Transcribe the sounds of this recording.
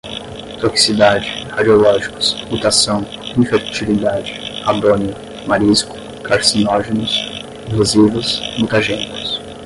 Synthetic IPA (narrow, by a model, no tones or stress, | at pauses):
t̪oksid̪ad͡ʒɪhad͡ʒiolɔʒikʊ̥smut̪asɐ̃w̃ | ĩfeɾt͡ʃilid̪ad͡ʒɪhabonʊ | maliskʊ̥ | kaɾsinɔʒenʊs | ikluzivʊsmut̪aʒẽnikʊs